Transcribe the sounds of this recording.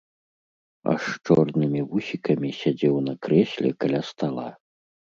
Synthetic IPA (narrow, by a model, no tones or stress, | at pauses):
a̰ʂt͡ʂɔrnɨmʲivusʲikɐmʲisʲad͡zʲɛwnɐkɾɛsʲlʲɛ̰kalʲast̪alˠa̰